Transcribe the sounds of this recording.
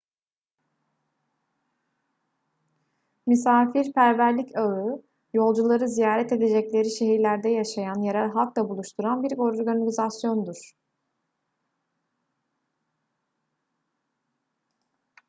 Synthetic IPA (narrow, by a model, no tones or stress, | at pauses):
mysaːfiɾpʰæɾvæɾlʲicaɯ | jo̞lˠd͡ʒulˠaɾɯzijaːɾɛt̪e̞d̪e̞d͡ʒɛclʲe̞ɾiʃe̞ɦiɾlʲæɾd̪ɛjaʃajanjeɾalʲɦalˠklˠabulˠuʃt̪ʰuɾanbiɾo̞ɾɾɡaniizasjo̞nd̪uɾ̥